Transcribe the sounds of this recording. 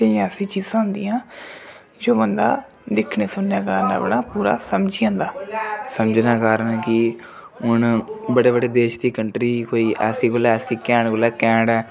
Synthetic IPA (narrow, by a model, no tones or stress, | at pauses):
t̪ẽːəsĩːt͡ʃiːzãːɦʊnd̪ijãː | d͡ʒoːbənd̪a̰ː | d̪ɪkʰneːsʊnːaːkaːɾna̰ːbəɽãːpuːɾa̰ːsəmd͡ʒiːãːnd̪aːsəmd͡ʒnãːkaːɾənkɪ | ʊnbəɽeːbəɽeːd̪eːʃd̪iːkəɳʈɾiːkoːiːʔɛːsiːkoːlɛɛːsiːkɛ̃ːɳkoːlɛːkɛ̃ːɳɖɛː